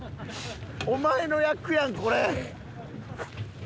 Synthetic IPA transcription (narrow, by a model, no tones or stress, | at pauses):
omaenojakiaŋkoɾɛ